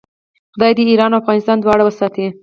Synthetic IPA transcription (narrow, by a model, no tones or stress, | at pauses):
xʊd̪ɑjd̪əiɾɑnawafɣɑnɪst̪ɑnd̪wɑɽawəsɑt̪e